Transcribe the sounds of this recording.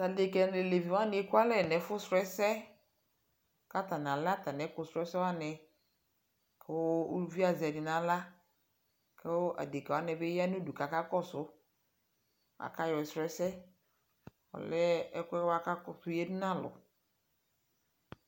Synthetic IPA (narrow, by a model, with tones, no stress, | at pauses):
ta˨de˨kɛ˨ne˨le˨vi˨wa˦nɪ˨˦e˦kʊ˦a˦lɛ˦˨nɛ˨˦fʊ˦sɾɛ˦sɛ˦ | ka˦ta˨n˨a˨lt̪a˨nɛ˨˦kʊ˨sɾɛ˦sɛ˦wa˦nɛ˨ | kɛ˦wʊ˦u˦vi˦a˨zɪ˨ɛ˨dɪ˨nã˨la˦ | kɛ˦wʊ˦ʔa̰˨de˨kɛ˨a˦nɪ˨be˦ja˦nu˦du˨ka˨ka˦kɔ˦sʊ˦ | a̰˨ka˦jɔ˨ɪ˨sɾɛ˦sɛ˦ | ɔ̰˨lɛ˦ɛ˦kɛ˦wa˦ka˦kɔ˨sʊ˦je˦du˦nã˦˨lʊ̰˨